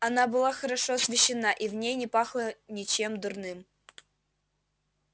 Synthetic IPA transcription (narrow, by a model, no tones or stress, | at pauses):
ɐnabɨlˠaxəɾɐʂoɐsvʲɪɕːɪnaʔivnʲejnʲɪpaxlˠənʲɪt͡ɕemd̪ʊrnɨm